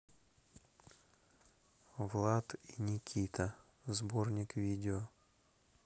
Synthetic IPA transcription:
vlˠat̪inʲɪkʲʰit̪ə | zbornʲɪkvʲidʲɪo

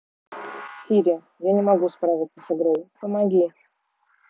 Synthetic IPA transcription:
sʲiɾʲɪ | janʲɪmɐɡuspɾavʲɪt̪səsɨɡɾojpəmɐɡʲi

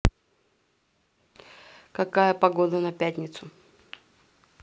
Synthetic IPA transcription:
kɐkajəpɐɡod̪ənɐpʲætʲnʲɪt̪sʊ

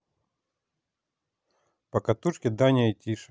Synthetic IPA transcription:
pɐkɐt̪ut͡ʃkʲɪd̪anʲɪjɐtʲiʂɐ̥

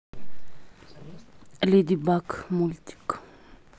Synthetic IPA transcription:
led̪ibakmult̪i̥k

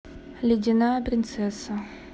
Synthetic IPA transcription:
lʲɪdʲɪnapɾʲɪnt̪sɛsə

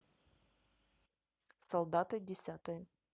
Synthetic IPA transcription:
sɐlˠd̪at̪ɨdʲɪsʲat̪əj

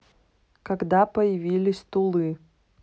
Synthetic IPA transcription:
kɐɡd̪apəjɪvʲilʲɪsʲt̪ʊlˠɨ

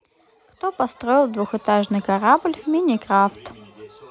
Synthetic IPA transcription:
kt̪opɐst̪ɾoɪlˠd̪vuxɨt̪aʐnɨjkɐɾablʲmʲinʲɪkɾaft̪

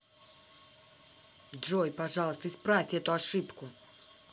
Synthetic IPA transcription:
dʐojpɐʐɑlˠəst̪əɪspɾafʲtʲɛt̪ʊɐʂɨpkʊ

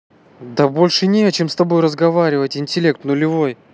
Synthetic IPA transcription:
d̪ɐbolʲʂɨnʲet͡ɕemst̪ɐbo̞jrəzɡɐvaɾʲɪvətʲɪnʲtʲɪlʲe̞k̚t̪nʊlʲɪvo̞j

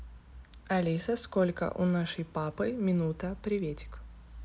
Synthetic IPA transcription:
ɐlʲisəskolʲkə̰ʔʊ̰naʂəjpapɨmʲɪnut̪əpɾʲɪvʲetʲɪ̥k

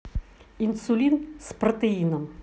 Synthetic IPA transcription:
insʊlʲinspɾɔt̪ɛinɔm

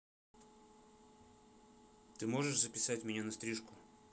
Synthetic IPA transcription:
t̪ɨmo̞ʐɨʂzəpʲɪsatʲmʲɪnʲanɐst̪ɾʲiʂkʊ

